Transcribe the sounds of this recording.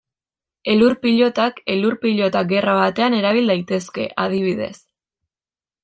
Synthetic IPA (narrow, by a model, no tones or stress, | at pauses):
e̞luɾpiʎo̞t̪ake̞luɾpiʎo̞t̪aɡe̞raβ̞at̪e̞ane̞ɾaβ̞ild̪ajt̪e̞ske̞̰ʔað̞iβ̞iðe̞̰s